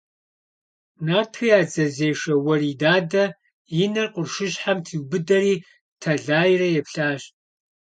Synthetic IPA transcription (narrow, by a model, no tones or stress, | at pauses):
naːrtʰɨjaːd͡zɐzeːʂɐwɐriːdaːdɐ | jɪnɐrqʷʼʊrʂɨɕħamtʰiwbɨdɐɾiː | tʰɐɮaːjrɐjɛpɬaːɕtʼ